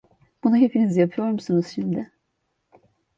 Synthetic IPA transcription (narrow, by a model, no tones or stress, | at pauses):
b̥unaɦe̞pʰinizjapʰɯjo̞ɾmusunuz̥ʃimd̪ɪ